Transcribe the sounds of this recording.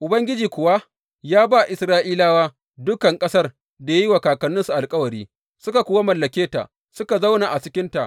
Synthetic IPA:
ʔʊ˨bɐ˦ŋɡʲɪ˦d͡ʒiː˨kʷʊ˨wa˦ | jaː˦ba˦˨ʔɪ˨sɾaː˦ʔiː˦laː˦waː˦ | dʊ˦kɐ˨ŋkʼɐ˦sɐ˦r | da˨ja˦ji˦wa˨kaː˨kɐ˨nːʊ˦nsu˨ʔa˨lkʼɐ˦wɐ˨ɾiː˦ | sʊ˦ka˨kʷuː˦wa˦mɐ˨lːɐ˨kʲeː˦ta̰˨ʔ | sʊ˦ka˨za˦wna˨ʔa˨t͡ʃɪ˦kʲɪ˦nta̰˨ʔ

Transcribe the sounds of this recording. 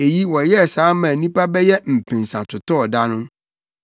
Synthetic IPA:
e˨ji˦wɔ˨jɛ˦˨saː˨˦mã˨nĩ˦pa˦bɛ˦jɛ˦m̩˨pʰĩ˨nsã˨tʰʊ˨tɔ˦ɔ˨da˦nʊ̃˦

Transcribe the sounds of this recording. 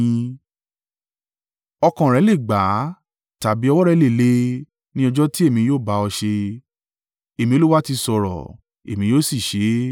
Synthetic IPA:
ɔ˧kã˨ɾɛ˨˦le˦˨ɡ͡ba˨˦ | ta˨bi˨˦ɔ˧wɔ˦ɾɛ˧˦le˦˨le˦ | nĩ˦ɔ˧d͡ʒɔ˦ti˦e˦˨mĩ˨˧joː˦˨ba˨˧˦ɔ˧ʃe˧ | e˨mĩ˧˦o˧˦lu˦wa˦ti˧sɔ˧ɾɔ̰˨ | e˨mĩ˧˦joː˦˨si˦˨ʃe˨˦

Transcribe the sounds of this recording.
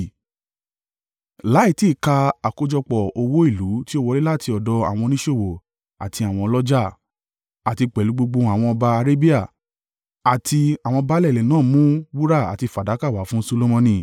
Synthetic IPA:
la˨˦i˦˨ti˦˨ka˧a˨ko˧d͡ʒɔ˧k͡pɔ˨o˧wo˦i˦˨lu˨˦ti˦o˦wɔ˧ɾi˦la˦˨ti˧ɔ˨dɔ˧a̰˨w̃ɔ̃˧nĩ˦ʃo˦˨wo˨ | a̰˨ti˧a˨w̃ɔ̃˧lɔ˦d͡ʒa˦˨ | a˨ti˧k͡pɛ˨lu˨˦ɡ͡bo˧ɡ͡bo˧˦a˨w̃ɔ̃˧ɔ˧ba˧a˧ɾe˦bi˦a˦˨ | a˨tʰi˧a˨w̃ɔ̃˧ɔ˧ba˦lɛ˦˨lɛ˨nãː˦˨mũ˦bu˦ɾa˦˨a̰˨ti˧˨fa˨da˨˦ka˦˨wa˨˦fũ˦so˧lo˦mɔ̃˧nĩ˧˨

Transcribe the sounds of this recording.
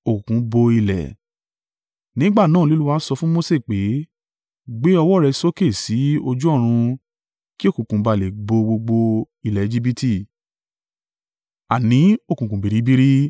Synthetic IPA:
o˨ku˨kũ˨˦bo˧i˧lɛ̰˨ | nĩ˦ɡ͡ba˦˨nãː˦˨˦i˦lu˦wa˦sɔ˧fũ˦mo˦se˦˨k͡pe˨˦ | ɡ͡be˦ɔ˧wɔ˦˨ɾɛ˧so˦ke˦˨si˨˦o˧d͡ʒu˦ɔ˦˨ɾ̃ũ˧ | ki˦o˦˨kũ˨kũ˨˦ba˧˨le˨ɡ͡bo˧ɡ͡bo˧ɡ͡bo˧ | i˧˨lɛ˨˧d͡ʒi˦bi˧ti˦˨ | a̰˨nĩ˨˦o˦˨kũ˨kũ˨bi˨ɾi˨˦bi˦ɾi˦

